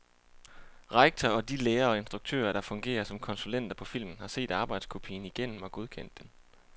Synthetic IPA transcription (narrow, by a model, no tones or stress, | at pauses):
ʁɑɡ̥̚t͡sʰɒɒ̽d̥ileːɐɒ̽e̝nsd̥ʁuɡ̥̚t͡sʰø̰ːɐɾ̥ɑ̈fɔ̽ŋɡ̥e̝̰ːɐsɒ̽mkʰɒ̽nsulen̰d̥ɐpʰɒ̽fil̰mn̩hɑ̈se̝̰ːd̥ɑ̈ːb̥ɑ̈ɪd̥skʰo̝pʰḭːn̩iɡ̥en̰m̩ɒ̽ɡ̥oð̞ˠkʰen̰d̥ːen